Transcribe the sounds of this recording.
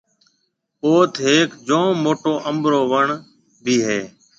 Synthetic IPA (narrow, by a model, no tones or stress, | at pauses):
oːt̪ʰɦeːkd͡ʒõːmoːʈoːʔəmbɾoːʋəɳ | bʱiːɦeː